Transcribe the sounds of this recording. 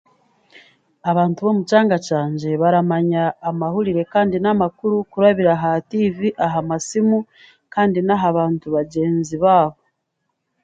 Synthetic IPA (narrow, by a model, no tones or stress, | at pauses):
aβaːntuβo̞mut͡ʃaːŋɡat͡ʃaːɲɟe̞βaɾamaɲaːmahuɾiɾe̞kaːndinamakuɾukuɾaβiɾaɦatiːviʔaɦamasimu | kaːndinaɦaβaːntuβaɟe̞ːnziβaːβo̞